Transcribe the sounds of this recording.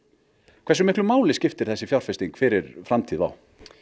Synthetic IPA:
kʰvɛɾsʏmɪhklʏmaːwlɪscɪft̪ɪɾ̥θɛsːɪfjawɾ̥fɪst̪iŋkfɪɾɪɾfɾamt̪ʰiːðva̰w

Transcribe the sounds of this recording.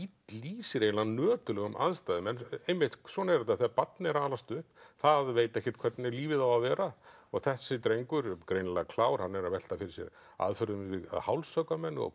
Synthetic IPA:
it̪liːsɪɾejnlanœːt̪ʏlɛɣʏmʔa̰ðst̪ajðɪmɛnːejmɪht̪swɔːnaɛɾt̪aθapat̪nɪɛɾaːlast̪ʏθaðveːjt̪ɛhcːɛ̥ht̪kʰvɛt̪nɪliːvɪðawavɛːɾaɔɣθɛsːɪt̪ɾejŋkʏɾkɾejnlakʰlaːwɾ̥hanːɛɾavɛl̥t̪afɪɾɪ̥sjɛ̰ɾ | a̰ðfœɾðʏmvɪða̰ðhawlsœkamɛnːɔ̰ɣ

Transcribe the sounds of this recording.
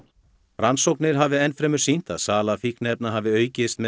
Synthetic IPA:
ransowknɪɾ̥ɦavɪɛnfɾɛːmʏ̥sin̥t̪a̰ðsaːlafihknɛp̚naɦavɪœːɥcɪst̪mɛ

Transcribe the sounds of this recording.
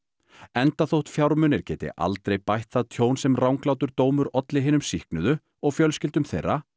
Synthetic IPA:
ɛnt̪aθowht̪fjawɾmʏnɪɾ̥cɛːt̪ɪ̰ʔa̰lt̪ɾejpajht̪θaðt̪ʰjoːwnsɛmrawŋklawt̪ʏɾt̪oːwmʏɾɔt̪lɪɦɪːnʏmsihknʏðʏ | ɔɣfjœlscɪlt̪ʏmθejrːa

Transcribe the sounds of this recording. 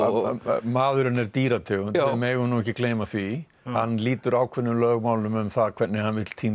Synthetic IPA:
maːðʏɾɪnːɛɾt̪iːɾat̪ʰɪt̪ɪlmɛːɣʏnuːɛhçcːɪkleːjmaθvi | hanːliːt̪ʏɾaːwkʰvɛnːʏmlœːɣmaːwlʏmɛmθaðkʰɛɾt̪nɪhanvɪt̪l̥t̪ʰiːm

